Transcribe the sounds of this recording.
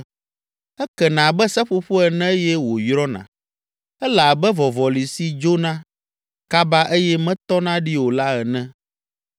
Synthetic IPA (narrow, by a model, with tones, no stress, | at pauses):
ɛ˦kɛ˨nã˨bɛ˦sɛ˦ɸo˦ɸo˦ɛ˨nɛ̃˦jɛ˦wo˨jɾɔ˦nã̰˨ | ɛ˦la˨bɛ˦vɔ˨vɔ˨li˨si˦d͡ʒo˦nã˦ | ka˦ba˦ʔe˦jɛ˦mɛ̃˦t̪ɔ˦nã˦ɖi˦wo˨la˦ɛ˨nɛ̃˦